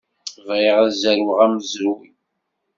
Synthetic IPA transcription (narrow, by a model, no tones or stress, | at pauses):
vʁiɪʁæzæɾwʁæmzəɾwi